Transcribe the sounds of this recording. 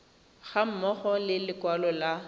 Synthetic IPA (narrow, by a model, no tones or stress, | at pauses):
ɣam̩mɔχɔlɪlɪkwalɔla